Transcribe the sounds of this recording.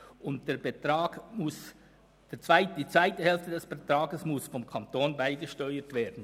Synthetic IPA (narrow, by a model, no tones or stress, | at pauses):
ʊnt̚d̥ɛbeɑːɡmʊs | d̥eːt͡saɪt̚d̥iːt͡sv̥aɪtəhɛlftədɛsb̥ɛtɾɑːɡəsmʊsfɔmkʰɑntoːnbaɪɡəʃtœʏətv̥eːd̥n̩